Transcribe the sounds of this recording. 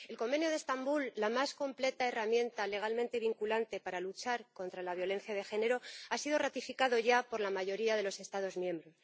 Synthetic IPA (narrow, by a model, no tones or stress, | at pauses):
e̞lko̞mbe̞njo̞ð̞est̪ambulːamasko̞mple̞t̪aeramjẽ̞nt̪ale̞ɣ̞almẽ̞nt̪e̞β̞iŋkulant̪e̞paɾalut͡ʃaɾko̞nt̪ɾalaβ̞jo̞le̞nθjað̞e̞xe̞ne̞ɾo̞asiðo̞rat̪ifikaðo̞ʝapo̞ɾlamaʝo̞ɾiaðe̞lo̞se̞st̪að̞o̞zmjẽ̞mbɾo̞s